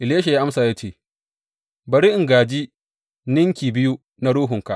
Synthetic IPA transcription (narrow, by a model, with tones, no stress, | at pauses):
ʔɪ˨ljeː˦ʃa˨jaː˦ʔa˦msaː˨jaː˦t͡ʃeː˦˨ | bɐ˨ɾi˦ʔɪ˨ŋɡaː˨d͡ʒi˦ | nɪ˦ŋkʲiː˨bɪ˦ju˦ | na˦ɽuː˦ɦʊ˨ŋka˨ʔ